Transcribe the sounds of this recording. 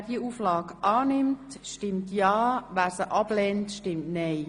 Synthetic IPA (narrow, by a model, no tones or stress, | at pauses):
diəuːflɑːkʔɑːnɪmt | ʃtɪmtjɑːʋæːɾsəʔɑb̥lɛːntʃtɪmtnɛɪ